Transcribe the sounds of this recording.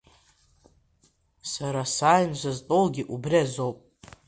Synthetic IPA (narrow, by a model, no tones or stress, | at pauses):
saɾasaːjnʒʷaztʼolɡʲiʔubriazowpʼ